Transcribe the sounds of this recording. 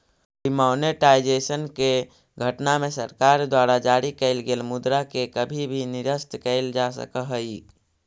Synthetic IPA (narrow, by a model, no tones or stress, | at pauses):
imaneʈajd͡ʒesənke | ɡʱəʈnamesəɾkaɾd̪waɾad͡ʒaɾikɛɪlɡelmud̪ɾakekəbʱibʱiniɾəst̪kəɪld͡ʒasə̰kəɦəj